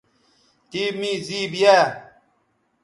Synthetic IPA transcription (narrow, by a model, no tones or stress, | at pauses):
t̪iːmĩːziːbijaː